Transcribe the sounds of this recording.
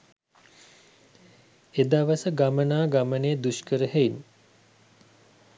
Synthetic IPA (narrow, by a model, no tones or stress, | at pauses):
ed̪aʋəsəɡamənaːɡaməned̪uʃkəɾəhein